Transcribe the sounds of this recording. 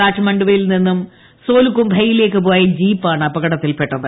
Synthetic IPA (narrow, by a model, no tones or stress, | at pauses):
aːʈʂɐmɐɳɖuʋɐjilninːum | so̞ːlukːumbʱɐjːile̞ːkːɨpo̞ːjɐd͡ʑiːpːaːɳɨɐbɐɣɐɽɐt̪ːilpe̞ʈːɐðɨ